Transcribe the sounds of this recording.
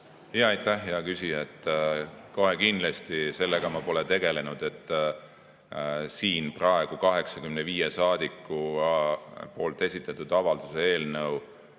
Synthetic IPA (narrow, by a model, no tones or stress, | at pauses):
hijɑɑjt̪ːæhjɑkysijɑet̪ːˑko̞ɦekind̪lest̪ise̞lːeɡ̥ɑmɑpo̞le̞t̪e̞ɡ̥e̞le̞nud̪̥e̞t̪ːˑ | siːnprɑe̞ɡ̥ukɑɦe̞ksɑkymneviːjesɑːd̪̥ikːˑu | po̞ːlt̪ˑe̞sʲit̪ːˑɑt̪ːˑud̪̥ɑvɑld̪̥usee̞ːlnɤw